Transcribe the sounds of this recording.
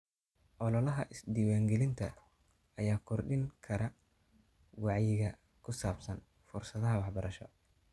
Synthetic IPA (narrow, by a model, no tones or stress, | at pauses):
ʔɔlɔlɐɦɐʔɪsd̪iːwaːŋɡɛlɪnt̪ʰɐ | ɐjaːkʰɔrɖɪŋkʰɐɾɐ | wɑʕjɪɣɐ | kʰʊsaːbsɐn | fʊrsɐðɐɦɐwɑħbɐɾɐʃɔ̰